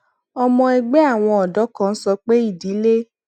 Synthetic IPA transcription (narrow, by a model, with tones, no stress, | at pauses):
ɔ˧mɔ̃˧ɛ˧ɡ͡bɛ˦a˦˨w̃ɔ̃˧ɔ˨dɔ˨˦kã˦˧n̩˦sɔ˧k͡pe˦i˦˨di˨˦le˦